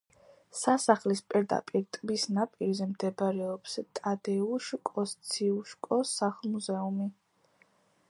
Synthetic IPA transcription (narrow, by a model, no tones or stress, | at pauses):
sasaχlispʼiɾd̪a̰pʼiɾt̪ʼbisnapʼiɾzɛmd̪ɛbɾɛɔpst̪ʼad̪ɛuʃkʼɔst̪sʰiuʃkʼɔsaχlˠmuzɛumi